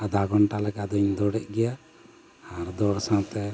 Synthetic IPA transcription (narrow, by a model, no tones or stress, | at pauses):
ad̪aɡɔɳʈalɛkad̪ɔɲd̪ɔɽɛʔɡɛjaː | ɾd̪ɔɽsãt̪ɛ